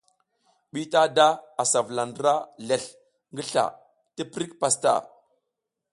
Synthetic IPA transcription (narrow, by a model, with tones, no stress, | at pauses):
ɓi˦ta˦da˦a˨sa˨vla˨ndɾa˦ɮe˨ɬ | ŋɡə˦ɬa̰˨ | tə˦pɾi˦kpa˨sta̰˦˨